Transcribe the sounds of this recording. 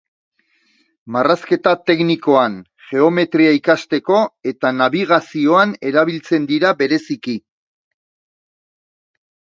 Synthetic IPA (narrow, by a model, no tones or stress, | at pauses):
maraske̞t̪at̪e̞kniko̞an | ʝe̞o̞me̞t̪ɾiaikast̪e̞ko̞e̞t̪anaβiɣ̞asio̞ane̞ɾaβ̞ilt͡se̞nd̪iɾaβe̞ɾe̞siki